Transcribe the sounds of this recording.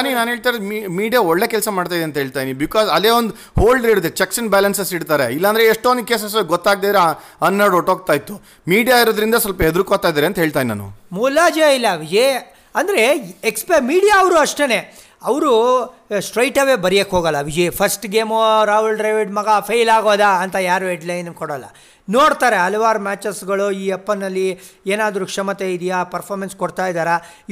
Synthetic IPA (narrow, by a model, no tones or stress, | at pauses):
aninaːnɦeːɭt̪ajɾod̪mimiːɖijaɔɭːeːkɛlsɐmaːɖt̪aːjd̪eɐnt̪ɐɦeːɭt̪aːdinibikaːzɐleːond̪u | hoːlɖɾeɽut̪ːet͡ʃeksɐnbaːlɐnsesiɽt̪aːɾeilːɐːnd̪ɐɾeːʂʈond̪̚keːs̬ɐs̬oɡɔt̪ːaːɡ̚d̪eːd̪ɾe | ɐnːɐɽoʈoːɡ̚t̪aːjit̪ːu | miːɖijaiɾod̪ɐɾind̪ɐsɐlpɐɦed̪ɾukot̪ːaːjd̪aːɾeɐnt̪ɐɦeːɭt̪aːjinina̰ːnṵmuːlaːd͡ʒɐilːɐʋid͡ʒi | ɐnd̪ɐɾeekspemiːɽijaːʋɾuɐʂʈene̞ | ɐʋɾusʈɾɐjʈɐʋebɐɾijekːɦoːɡɐlːɐʋid͡ʒepʰɐsʈɡeːmoɾaːɦulɖɾɐjʋiɖmɐɡapʰejlaːɡoːd̪aːnt̪ɐjaːɾueɖlɐjnɐkoɽɐlːɐ̰ | noːɽt̪aːɾeɦɐlɐʋaːɾɐmʲaːt͡ʃesɡɐɭuiːepːɐnːɐlːi | eːnaːd̪ɾukʂɐmɐt̪eid̪ijaːpɐɾpʰoːɾmenskoɽt̪aːjd̪aːɾɐ